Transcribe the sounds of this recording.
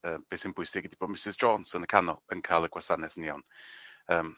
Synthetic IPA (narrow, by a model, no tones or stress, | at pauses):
əːmb̥eːsɪnbʊɨsɪɡədiboːd̚mɪsɪzdrɔːnsənəkʰanɔlˠənkʰaːlˠəɡwasanɛθniawnəːm